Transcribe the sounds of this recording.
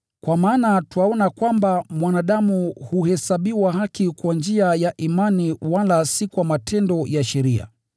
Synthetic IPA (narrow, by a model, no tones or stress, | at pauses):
kwamaːnatwaɔnakwambamwanaɗamuhuhɛsaɓiwahakikwand͡ʒiajaʔimaniwalasikwamatʰɛndɔjaʃɛɾia̰